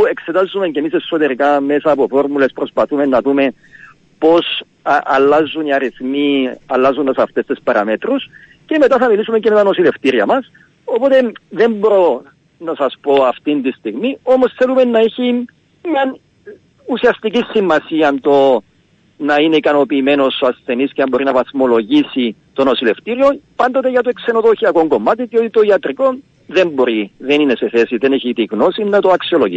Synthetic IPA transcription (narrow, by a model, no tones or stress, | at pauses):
ue̞kse̞t̪azːume̞ncemisesːo̞t̪e̞ɾikame̞sɐːpo̞fo̞ɾmule̞spɾo̞spɐθume̞nːɐðume̞n | po̞s | ɐ̰lːɐzːuniɐɾiθmiɐlːɐzunt̪ɐsɐft̪e̞st̪espɐɾɐme̞t̪ɾus | ce̞me̞t̪ɐθɐmilisumeɲceme̞t̪ɐno̞sile̞ft̪iɾiɐmɐs | o̞po̞t̪e̞ðe̞mboɾo̞ | nɐsɐspo̞ɐft̪int̪ist̪iɣmio̞mo̞sθelume̞nːɐeçi | mɲɐn | usiɐst̪icisːimːɐsiɐnt̪o | nɐine̞ikɐno̞piːme̞no̞soɐsθe̞nisceɐmbo̞ɾinɐvɐsmo̞lo̞ʝisit̪o̞no̞sile̞ft̪iɾio̞pɐnd̪o̞t̪e̞ʝɐt̪oekse̞noðoçiɐko̞ŋɡo̞mːat̪iðio̞t̪it̪o̞iɐt̪ɾiko̞n | ðe̞mbo̞ɾiðe̞nine̞se̞θe̞siðe̞neçit̪iɣno̞sinːɐt̪oɐksio̞loʝi